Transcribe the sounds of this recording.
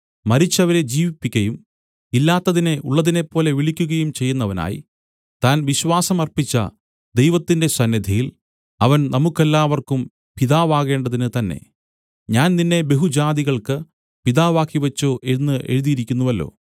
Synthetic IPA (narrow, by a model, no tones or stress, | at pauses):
mɐɾit͡ɕːɐʋɐɾe̞d͡ʑiːʋipːikʲːɐjum | ilːaːt̪ːɐðineʔuɭːɐðine̞pːo̞ːle̞ʋiɭikʲːuɣɐjumt͡ɕe̞jːunːɐʋɐna̰ːjḭ | t̪aːnʋiɕwaːsɐmɐrpit͡ɕːɐ̰ | d̪e̞jʋɐt̪ːinde̞sɐnːɐd̪ʱɐjil | ɐʋɐnnɐmukːelːaːʋɐrkum | piðaːʋaːɣe̞ːɳɖɐðinɨt̪ɐnːe̞̰ | ɲaːnninːe̞be̞ɦud͡ʑaːd̪iɣɐɭkɨ | piðaːʋaːkːiʋɐt͡ɕːoːʔe̞nːɨʔḛɻuðijiɾikʲːunːuʋɐlːo̞̰ː